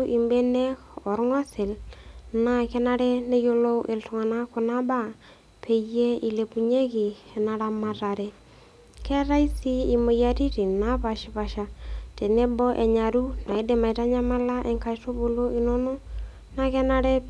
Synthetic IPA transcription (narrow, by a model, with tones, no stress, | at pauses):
ʔi˨mbe˦ne˦kɔ˨ɾŋɔ˦sɪ˨lna˦kɛ˦na˦ɾɛ˦ne˦jo˦lo˦ʔe˨ltʊ˨ŋa˨na˦kʊ˨na˦ba˦ | pʰe˨je˦i˨le˨pu˨ɲe˦kɪ˨ɛ˨na˨ɾa˦ma˨ɾa˨ɾɛ˨ | kɛ˦ɾa˦i˦si˦i˨mo˨ja˦ti˦ɾi˨na˦pa˨ʃɪ˨pa˨ʃa˨te˨ne˦bɔ˦ʔe˨ɲa˨ɾu˦na˨ɪ˦de˨ma˨jta˦ɲa˦ma˦la˦ʔɛ˨ŋka˨˦to˦bo˨lo˦ɪ˨no˦no˦ | na˦kɛ˦na˦ɾɛ˦